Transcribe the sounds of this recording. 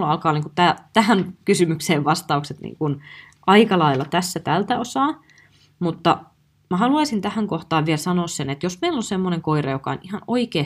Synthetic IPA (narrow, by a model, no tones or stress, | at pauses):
lɑlkɑːniːkut̪æt̪æhænkysymykseːʋʋɑst̪ɑukset̪nḭːŋkun | ʔɑikɑlɑilːɑt̪æsːæt̪ælt̪æosɑː | mut̪ːɑ | mæɦɑluɑisint̪æhæŋkoht̪ɑːʋʋielsɑnoːssenet̪josmeilonsemːoneŋkoirɑ̰jokɑ̰o̰nihɑnoikeː